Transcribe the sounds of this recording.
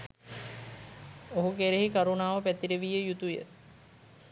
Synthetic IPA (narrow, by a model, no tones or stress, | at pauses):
oɦukeɾeɦikaɾunaːʋəpæt̪iɾeʋijəjut̪ujə̰